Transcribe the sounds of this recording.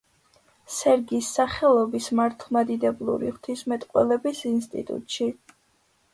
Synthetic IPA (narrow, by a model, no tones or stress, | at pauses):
sɛɾɡisːaχɛlˠɔbismaɾt̪ʰlˠmad̪id̪ɛblˠṵɾḭʁt̪ʰismɛt̪ʼqʼwɛ̰lɛbisinst̪ʼḭt̪ʼṵt̪ʼʃi